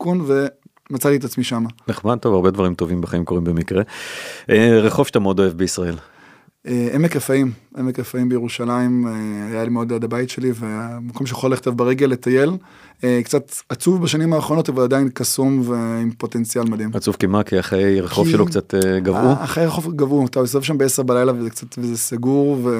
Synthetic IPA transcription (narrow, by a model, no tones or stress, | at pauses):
kunve̞ | mat͡salietat͡smiʃamaneχmad̪̚t̪o̞vaʁbedvaʁimto̞vimbeχaimko̞ʁimbemikʁeʔeʁeχovʃt̪ameodo̞evbeisʁae̞l | eʔemekʁefaimʔe̞mekʁefaimbejeʁuʃalaimeajalimeod̪adabaitʃe̞live̞makomʃejḁχoleχt̪avbaʁe̞ɡe̞lːetaje̞l | ekt͡satat͡suvbaʃanimaːχʁo̞no̞tavaladainkasumveimpo̞te̞nt͡sialmad̪imat͡suvkimakiaχejʁeχovʃelokt͡sateɡavʔuaχejʁeχo̞vɡavuat̪aes̬avevʃambeeseʁbalajlavezekt͡satvezesaɡuʁve